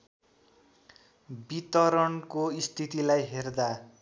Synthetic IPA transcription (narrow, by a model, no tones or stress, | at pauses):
bit̪ʌɾʌnkoist̪ʰit̪ilajɦerd̪a